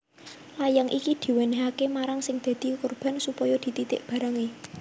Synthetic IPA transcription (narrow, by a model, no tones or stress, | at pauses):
lajaŋʔikid̪̥i̤weneɦakemaɾaŋsɪŋd̪̥ä̤d̪̥i̤korb̥a̤nsupɔjɔd̪̥i̤t̪it̪ɪ̰ʔb̥a̤ɾaŋe